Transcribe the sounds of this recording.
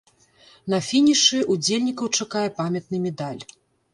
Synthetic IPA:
nɐfʲinʲiʂɨʔud͡zʲelʲnʲikɐwt͡ʂakajɛpamʲɐt̪̚nɨmʲɛd̪alʲ

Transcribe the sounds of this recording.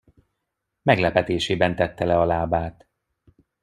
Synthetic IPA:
mɛɡlɛpɛt̪eːʃeːbɛnt̪ɛt̪ːɛlɛɒlaːbaːt̪

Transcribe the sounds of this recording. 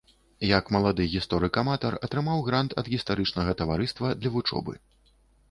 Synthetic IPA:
jɐkmɐlˠad̪ɨɣʲist̪ɔɾɨkɐmat̪ɐrɐt̪ɾɨmawɣɾant̪ʰɐ̰d̪ɣʲist̪aɾɨt͡ʂnɐɣɐt̪ɐvaɾɨst̪vɐd̪lʲɐvut͡ʂɔ̰bɨ̰

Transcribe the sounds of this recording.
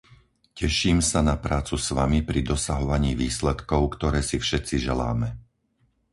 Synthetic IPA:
cɛʃiːmsanapɾaːt͡susʋamipɾid̪ɔsaɦɔʋaɲiːʋiːslɛt̪kɔʊkt̪ɔɾɛːsifʃɛt͡siʒɛla̰ːmɛ

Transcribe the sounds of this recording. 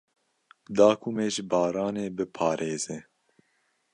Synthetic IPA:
d̪ɑːkʰumeːʒɪbɑːɾɑːneːbɨpʰɑːɾʔeːze

